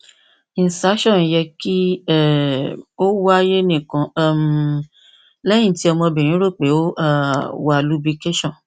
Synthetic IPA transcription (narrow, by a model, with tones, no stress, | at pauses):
i˨n˨sa˨˦ʃɔ̃˦˨n˨jɛ˧ki˦ɛ˦˨o˦wa˦je˦nĩ˦˨kã˧˦˨m | lɛ˦jĩ˦˨ti˦ɔ˧mɔ̃˧bĩ˨ĩ˨˦ɾo˦˨k͡pe˨˦o˦a˦˨wa˦˨lu˨˦bi˧ke˦ʃɔ̃˦˨n